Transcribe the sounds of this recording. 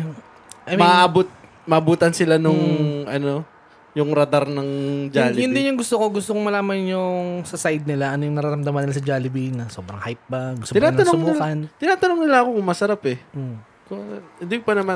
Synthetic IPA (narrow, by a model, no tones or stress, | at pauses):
ʔɐmmɐaʔʔabot̪̚ | mɐʔɐbuːt̪ɐnsɪlanʊŋʔɐno̞ | jʊŋɾɐd̪aɾnɐŋd͡ʒaːlɪɪnd̪ɪnjʊŋɡʊst̪oko̞ɡʊst̪okoŋmɐlaːmɐnjʊŋsɐsajd̪̚nɪlaʔɐnojʊŋnɐɾɐɾɐmd̪ɐmɐnːɪlasɐd͡ʒaːlɪbinɐso̞ːbɾɐ̰ŋhajt̪̚bɐɡʊst̪oːɪnaːɐnosʊŋbːkɐnt̪ɪnaːt̪ɐnoŋnɪlaɐko̞kʊŋmɐsɐɾapɛʔo | kʊɪnd̪ikopɐnɐma